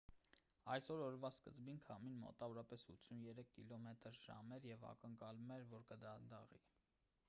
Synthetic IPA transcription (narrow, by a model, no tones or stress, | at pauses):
ɑjsɔɾɔɾvɑskə̰zbinkʰɑminmɔ̰t̪ɑvɔɾɑpɛsut̪sʰunjɛɾɛkʰːilɔmɛt̪əɾʒɑ̰mɛɾjɛvɑ̰kəŋkɑlumɛɾvɔɾkəd̪ɑnd̪ɑʁḭ